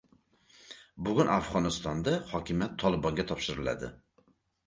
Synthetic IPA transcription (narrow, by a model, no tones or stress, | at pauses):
bʊɡʲʊnafʁɒnɨst̪ɒnd̪ahɒkʲʰɪmjat̪ʰːɒlˠɪbɒŋɡʲɛt̪ʰɒpʃɪɾɪlæ̰d̪ɪ̰